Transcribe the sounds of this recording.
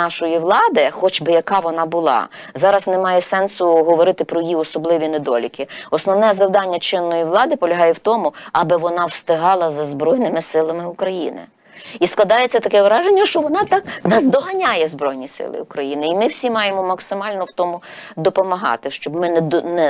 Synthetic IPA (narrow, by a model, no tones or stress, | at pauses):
ɑʃɔjiʋlˠɑd̪ɪxɔt͡ʃbɪjɐkɑʋɔnɑbʊlˠɑ̰ | zɑɾɐznɛmɑjɛsɛnsʊɦɔʋɔɾɪt̪ɪpɾɔjiɔsɔblˠɪʋʲined̪ɔlʲikʲɪɔsnɔʋnɛzɐwd̪ɑnʲːɐt͡ʃɪnːɔjiʋlˠɑd̪ɪpɔlʲɐɦɑjɛwt̪ɔmʊɐbɪʋɔnɑwst̪ɪɦɑlˠɐzɐzbɾɔjnɪmɪsɪlˠɐmɪʊkɾɐjḭnɪ̰ | isklˠɐd̪ɑjet͡sʲːɐt̪ɐkɛʋɾɑʒenʲːɐʃt͡ʃɔʋɔnɑt̪ɑknɐzd̪ɔɦɐnʲajɛzbɾɔjnʲisɪ̰lˠɪ̰ʊkɾɐjinɪimɪwsʲimɑjemɔmɐksɪmɑlʲnɔwt̪ɔmʊ | d̪ɔpɔmɐɦɑ̰t̪ɪʃt͡ʃɔbmɪnnɛ